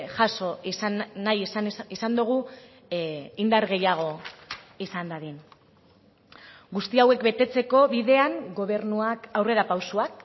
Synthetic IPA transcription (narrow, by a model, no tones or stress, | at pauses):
ʝaso̞ː | ajsnisand̪uɣ̞u | ind̪aɾɣe̞jaɣ̞o̞ | isand̪aðin | ɡust̪iawe̞kbe̞t̪e̞t͡se̞ko̞βiðe̞aŋɡo̞β̞e̞ɾnuakawre̞ɾapawsuak